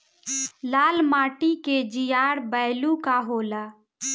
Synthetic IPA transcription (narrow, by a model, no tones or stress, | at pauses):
laːlmaːʈiked͡ʒijaɾbəɪlukaɦola